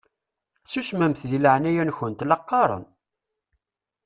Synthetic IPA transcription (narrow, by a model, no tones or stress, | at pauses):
t͡sːuʃmæmθðiləʕnæjænçənt̪lɑqːɑɾˤə̰n